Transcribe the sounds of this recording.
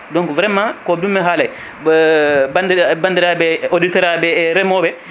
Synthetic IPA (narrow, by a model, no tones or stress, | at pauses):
dɔŋkɔvɾɛmːakɔdumːɛɦaːlaj | bandbandiɾabɛoditɔɾabɛɾɛmɔbɛ